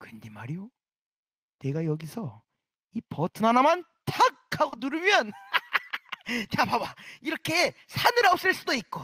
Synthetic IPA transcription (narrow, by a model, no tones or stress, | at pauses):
kɯndimaɾijo | ne̞ɡajʌɡisʰʌ | ipʌtʰɯnanaman | tʰakʰaɡonuɾɯmjʌn | t͡ɕapabaiɾʌkʰe̞ | sʰanɯɾaops͈ɯɭs͈udoik̚k͈o